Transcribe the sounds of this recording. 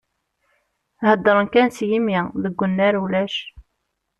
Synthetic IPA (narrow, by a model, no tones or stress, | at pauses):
həd̪ːəɾˤənkænsjimiðəɡʷːənːæɾwlæʃ